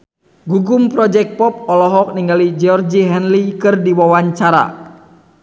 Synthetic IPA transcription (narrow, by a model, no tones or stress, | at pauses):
ɡuɡumpɾɔd͡ʒɛk̚pɔp̚ɔlɔɦɔk̚niŋɡalid͡ʒɔrd͡ʒiɦɛnlikɨrdiwawaɲt͡ʃaɾa̰